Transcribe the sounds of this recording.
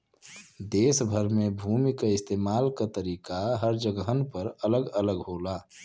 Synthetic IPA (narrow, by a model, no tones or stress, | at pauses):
d̪eːsbʱəɾmebʱumikaɪst̪eːmaːlkat̪əɾiːkaɦəɾd͡ʒəɡəɦənpəɾələɡələɡɦoːla